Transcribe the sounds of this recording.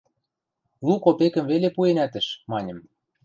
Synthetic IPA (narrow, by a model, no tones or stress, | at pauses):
lukopekə̆mvelepuenæt̪ə̆ʃmɑnʲɤ̆m